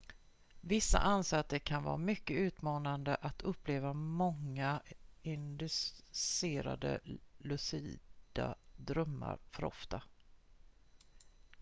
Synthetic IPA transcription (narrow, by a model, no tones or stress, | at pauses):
vɪsːa̰ʔansaːat̪ːəɾkʰanvɑ̰ːɾamʏkːəʉ̟ːt̪mɑːnand̪əʔat̪ʰɵpːleːvamɔŋːaɪnd̪ɵseːɾa̰d̪ə̰lɵsiːd̪̥a̰d̪ɾœmːa̰ɾfœɾɔ̰ft̪a